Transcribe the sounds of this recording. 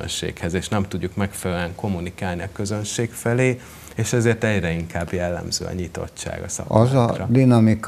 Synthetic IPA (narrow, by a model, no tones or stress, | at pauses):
ø̰nʃḛːkhɛzeːʃnɛmt̪uɟːukmɛkfɛlɛlyɛŋko̞mːunikaːlniɒkø̞zø̞nʃeːkfɛleː | eːʃɛzeːrt̪ɛɟrɛiŋkaːbjɛlːɛ̰mzø̰ːɒ̰ɲit̪o̞̰t͡ʃt͡ʃːa̰ːɡɒsɒ̰kʔɒzɒrɒ̰d̪inɒmik